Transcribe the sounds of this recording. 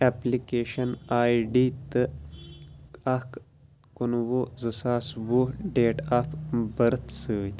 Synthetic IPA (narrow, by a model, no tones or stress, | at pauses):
eplikeːʃɐnaːiɖiːt̪ɨ | ɐk | kunwozɨsaːswuɖeːʈapbɐɾɨt̪ʰsɨː